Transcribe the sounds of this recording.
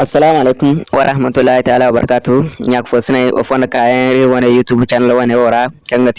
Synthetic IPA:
ɐsːɐlaːmalekumwɐ̰ɾʔɐ̰hmat̪ulːaːhit̪aaːlawɐbɐ̰ɾɐ̰kaːtuɲaku̥fosinajʔo̰fondɐkajaiɾwɔnejutubut͡ʃanlɐwonewoɾakɐŋɡat

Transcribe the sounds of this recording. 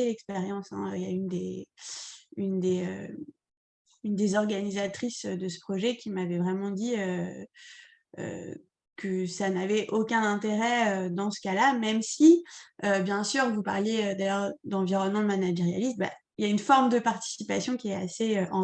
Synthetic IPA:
elɛkspeʁjɑ̃sɛ̰̃øja̰ynd̪e | ynd̪eø̰ | ynd̪ezɔʁɡanizat̪χisød̪əsə̥pχɔʒɛkʲimavɛvʁɛmɑ̃d̪iø | ø̰ | kəsanavɛʔokʲɛ̃nɛ̃t̪eʁɛød̪ɑ̃sə̥kalamɛmsiøbjɛ̃syːʁvupa̰ʁljeød̪ajœʁd̪ɑ̃viʁɔnmɑ̃manaʒʁeja̰list̪ba̰ | ljaynfɔʁmd̪əpaʁt̪i̥sipasjɔ̃kʲiɛa̰seøʔɑ̃

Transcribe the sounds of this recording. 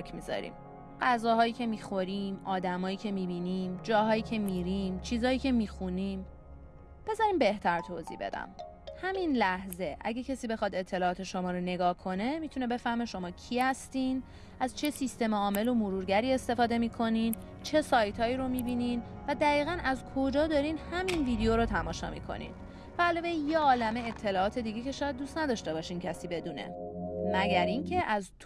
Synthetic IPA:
kʰmizɒ̰ɾḭm | ɢæzɒːɦɒːjiːcʰe̞miːxo̞ɾiːmɒːd̪æmɒːjiːcʰe̞mibiniːmd͡ʒɒːɦɒːjiːcʰe̞miɾiːmt͡ʃʰiːzɒːjiːcʰe̞miːxuniːm | b̥e̞zɒɾiːmbe̞ht̪ʰæɾt̪ʰoːzḭbe̞̰d̪æ̰m | hæminlæhze̞ʔæ̰ɟecʰesiːbe̞xɒd̪e̞t̪ʰːe̞lɒːɒːt̪ʰe̞ʃomɒːɾone̞ɡɒːhkʰo̞ne̞mit̪ʰune̞be̞fæhme̞ʃo̞mɒːcʰihæst̪iːn | æzt͡ʃʰe̞sist̪e̞meɒːme̞lo̞moɾuːɾɟæɾiːe̞st̪e̞fɒːd̪e̞miːkʰo̞niːn | t͡ʃʰe̞sɒːjt̪ʰɒːiːɾomibiniːnvæd̪æɣiːɣænʔæzkʰo̞d͡ʒɒːd̪ɒɾiːnhæminviːd̪ejoɾot̪ʰæmɒːʃɒ̰ːmḭːkʰo̞̰nḭn | væːlɒːvejjeɒːlæmeet̪ʰːe̞lɒːɒːt̪ʰe̞d̪iɟecʰe̞ʃɒːjæd̪̚duːst̪næd̪ɒːʃt̪e̞bɒːʃiːncʰæsiːbe̞d̪uːnḛmæɟæɾiːncʰe̞ʔæzt̪

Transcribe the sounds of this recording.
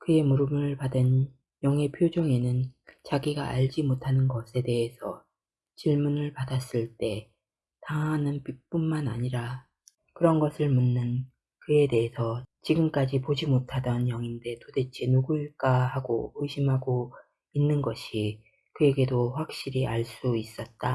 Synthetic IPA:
kɯe̞muɾɯmɯɯɭpadɯn | jʌŋɦe̞pʰjod͡ʑoŋenɯnt͡ɕaɡiɡaʔaʎd͡ʑimotʰanɯnɡʌsʰe̞de̞ɦesʰʌ̰ | t͡ɕiɭmunɯɭpadas͈ɯɭt͈e̞ | taŋanɯnpip͈unmanaɲiɾa | kɯɾʌnɡʌsʰɯɭmunːɯn | kɯe̞de̞ɦesʰʌt͡ɕiɡɯmk͈ad͡ʑipod͡ʑimotʰadʌnjʌŋinde̞tode̞t͡ɕʰinuɡuɭk͈ahaɡo̰ɯɕʰimɦaɡo | inːɯnɡʌɕʰi | kɯe̞ɡe̞doɸwak̚ɕ͈iɾiaɭs͈uis͈ʌt̚t͈a

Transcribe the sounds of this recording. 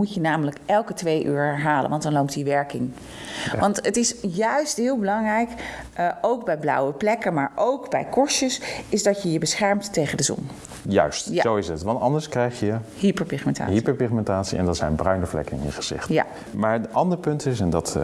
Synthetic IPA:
mucjənaːmələkʔɛlˠkətʋejʔy̰ːɹɛɹɦaːlə̰ʋɑntdɑnlowptiʋɛɹkɪŋ | ʋɑntətɪsjœɥstɦɪːlˠbəlɑŋrɛjk | owɡ̚bɛjblɑ̰wəplɛkəmaːɹʔowkbɛ̰jkɔɹʃəsɪzdɑtjəjəbəsχɛɹmttejχəndəzɔ̰n | jœ̰ɥstjasowɪsətʋɑntɑndəɹskrɛjχjəhipəɹpɪχmɛnta̰ːɦipəɹpɪχmɛntaːtsḭɛ̰ndɑtsɛ̰jnbrœɥnəflɛ̰kəŋəχəz̥ɪ̰χtja̰ | maːɹənɑndəɹpɵntɪs̬ɛndɑt

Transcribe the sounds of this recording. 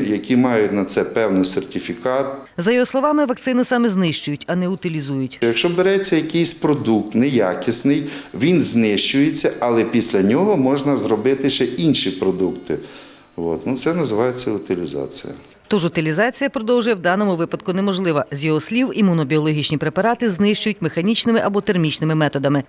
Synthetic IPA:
jɐkʲimɑjʊtʲnɐt̪sɛpɛwnɪjsertʲifʲikɑt̪ | zɐjɔɦɔslˠɔʋɑmɪʋɐkt̪sɪnɪsɑmɪznɪʃt͡ʃʊjʊtʲɐnɛʊt̪ɪlʲizujʊtʲjɐkʃt͡ʃɔbeɾɛt͡sʲːɐjɐkɪjsʲpɾɔd̪uk̚t̪nɛjakʲɪsnɪjʋʲinznɪʃt͡ʃʊjet͡sʲːɐɐlˠɛpʲisʲlʲɐnʲɔɦɔmɔʒnɐzrɔbɪt̪ɪʃt͡ʃɛʔinʃipɾɔd̪ukt̪ɪ | ʋo̰t̪nut̪sɛnɐzɪʋɑjet͡sʲːɐʊt̪ɪlʲizɑ̰t͡sʲḭjɐ̰ | t̪ɔʒʊt̪ɪlʲizɑt͡sʲijɐpɾɔd̪ɔwʒʊjɛwd̪ɑnɔmʊʋɪpɐd̪̚kʊnɛmɔʒlˠɪʋɐzʲjɔɦɔsʲlʲiwimʊnɔbʲiɔlˠɔɦʲit͡ʃnʲipɾepɐɾɑt̪ɪznɪʃt͡ʃʊjʊtʲmexɐnʲit͡ʃnɪmɪʔɐbɔt̪ermʲit͡ʃnɪmɪmɛt̪ɔd̪ɐmɪ

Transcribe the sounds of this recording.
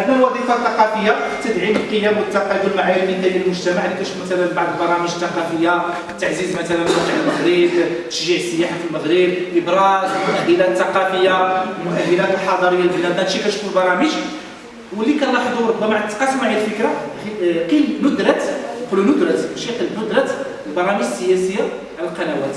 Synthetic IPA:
mælwɑd̪ˤifɑθɑqɑfəjːat̪əd̪ʕiməlqəjːæmwət̪ːɑqːɑb̪wəlmaʕajunlikæjəlmʊʒt̪æmaʕlikæʃufumæt̪ælænbɑʕd̪ˤəlbɑɾˤɑməʒt̪ːɑqɑfəjːa | t̪ːaʕzizmæt̪ælænwɑt̪əʕəlməɣɾəbt̪ə̥ʃʒiʕsəjːaħafilməɣɾəbʔəbɾˤɑzmʊʔæhəlæθːɑqɑfəjːalmʊʔæhːəlafilħɑd̪ˤɑɾəjːalbənæd̪æʃikæʃfulbɑɾˤɑməʒ | wəlːikænɾˤɑħd̪uɾˤʊbːæmaʕt̪ːqɑsmaʕjælfəkɾa | qilnʊd̪ɾˤɑt̪qlunʊd̪ɾˤɑt̪bæʃiqilbnʊd̪ɾˤɑt̪ | lbɑɾˤɑməʒsːəjæsəjːa | ʕləlqɑnæwæt̪

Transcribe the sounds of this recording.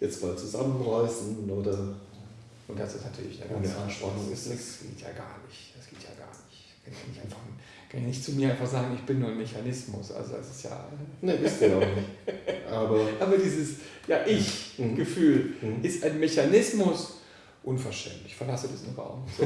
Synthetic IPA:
jɛt͡stmaːt͡suzamənʁɔʏsn̩oːdɐ | ʔʊnt̚d̥assnatʰyːɐlɪçɪndɛɐ̰ɡ̥ansəʔanʃpanʊŋɪsd̥asɡ̥ḛːtʰja̰ːɡa̰ːɐnɪçtd̥asɡ̥eːtʰja̰ːɡa̰ːɐnɪçt | kʰanʰanɪçaɪnfaχn | kʰançnɪçtt͡sumiːɐʔaɪnfaχz̥aːɡŋ̩ɪçb̥ɪnːuːɐaɪnmeçanɪsmʊsʔa̰lzoda̰sɪ̥stja̰ːnəvɪstuanɪçʔaːbɐʔaːbɐdiːzəsjaːʔɪçɡ̥əfyːlɪstʔaɪnmeçanɪsmʊs | ʔʊnfɛɐʃtɛ̰ntlɪçfɛɐlasədɛsɪmʁa̰ʊmː

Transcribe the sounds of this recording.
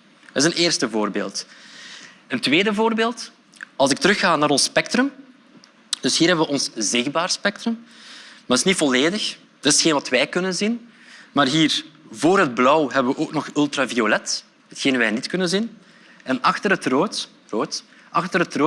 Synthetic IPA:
ətɪzəneːrstəvoːrbḛːlˠt | əntweːdəvoːrbeːlˠt | ɑlˠzɪk̚təɾɵxaːnaːɾɔnspɛk̚trɵm | d̥ɵsɦiːrɦɛbəʋəʔɔnszɪɣbaːrspɛk̚trɵmmadɪsnitfɔleːdəx | d̥ɪsxeːnʋɑtʋɛjkɵnənzin | maːrɦiːrvoːrɦəd̚blɔwɦɛbəʋəʔoːknɔxʏlˠtraːviolɛt | ɦətxeːnʋɛːnitkɵnənzin | ɛnɑxtərətroːt | roːt | ʔɑxtərɦətroː

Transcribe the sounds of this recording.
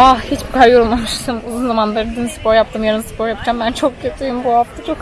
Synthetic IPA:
ahit͡ʃbikʰaɾjoɾulˠmamɯʃt̪ʰɯmuzunzamand̪aɾɯd̪imsɯ̥poɾjap̚t̪ʰɯmjaɾɯnsɯ̥pʰoɾjapɯd͡ʒambænt͡ʃʰo̞k̚cʰøt̪ʰijumbuhaft̪ʰat͡ʃʰo̞k

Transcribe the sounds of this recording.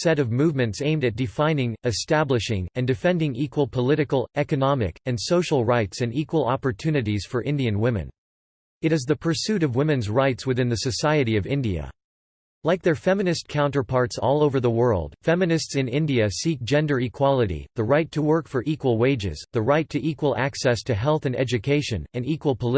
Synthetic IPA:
sɛɾʌvmuvmɨ̃ntsẽɪ̃mdɨt̚d̥ɨfãɪ̃nɪ̃ŋɨstæblɨʃɪ̃ŋɨ̃ndɨfɛ̃ndɪ̃ŋikwəl̩ˠpʰəlɪɾɨkl̩ˠɛkɨnɑmɨ̰kɨ̃nsoʊʃl̩ˠɹaɪtsɨ̃nikwəlˠɑ̰pə˞tʰʉnɨɾiz̥fə˞ʔɪ̃ndiɨ̃nwɪ̃mɨ̰̃n | ɨɾɨzðɨpʰə˞sʉɾʌvwɪ̃mɨ̃nzɹaɪtswɨθɪ̃nðɨsɨsaɪɨɾiʌvɪ̃ndiɨ̰ | laɪk̚ðə˞fɛmɨnɨst̚kʰãʊ̃ntə˞pʰɑɹtsɔ̰lˠoʊvə˞ðəwɜ˞lˠd̥fɛmɨnɨstsɨ̃nɪ̃ndiɨsik̚d̥ʒ̥ɛ̃ndə˞ikʰw̥ɑlˠəɾḭðɨɹaɪtʰəwɜ˞kfə˞ʔikwəl̩ˠweɪd͡ʒɪ̰z̥ðɨɹaɪtʰɨʔikwəlˠæksɛstʰɨɦɛlˠθɨ̃nɛ̰d͡ʒɨkʰeɪʃɨ̃nɨ̃nikwl̩ˠpʰəl

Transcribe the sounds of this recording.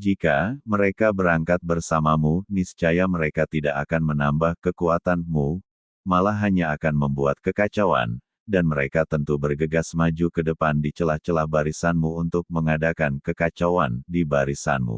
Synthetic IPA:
d͡ʒikaməɾekabəɾaŋkat̪̚bərsamamunist͡ʃajaməɾekat̪idaʔakanmənambahkəkuat̪anmu | malaɦaɲaːkanməmbuat̪̚kəkat͡ʃawa̰n | danməɾekat̪ənt̪ubərɡəɡasmad͡ʒukədəpandit͡ʃəlaht͡ʃəlahbaɾisanmuunt̪ʊk̚məŋadakankəkat͡ʃawandibaɾisa̰nmṵ

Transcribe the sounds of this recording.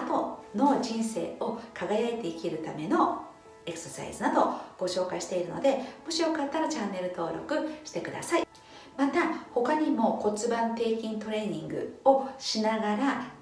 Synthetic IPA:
t̪o̞no̞d͡ʑĩɰ̃se̞̰ːo̞kʰaɡajaet̪e̞ikʲiɾɯ̟t̪ame̞no̞ | e̞kɯ̥sosa̰ḭzɨnad̪o̞ɡ̥o̞ɕo̞ːkaiɕi̥t̪e̞iɾɯ̟no̞̰d̪e̞moɕio̞kat̪ːaɾat͡ɕãnːe̞ɾɯ̟t̪o̞ːɾo̞̰kɯ̟ɕi̥t̪e̞kɯ̟d̪a̰sai | mat̪aho̞kaɲ̟imo̞ko̞t͡sɨbãnt̪e̞ːkʲĩnt̪o̞ɾe̞ːɲ̟ĩŋɡɯ̟̰o̞ɕinaɡaɾa

